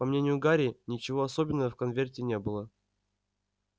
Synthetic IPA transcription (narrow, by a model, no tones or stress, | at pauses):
pɐmnʲenʲɪjʊɡaɾʲɪnʲɪt͡ɕɪvoɐsobʲɪnːəjəfkɐnvʲertʲɪnʲe̞bɨlˠə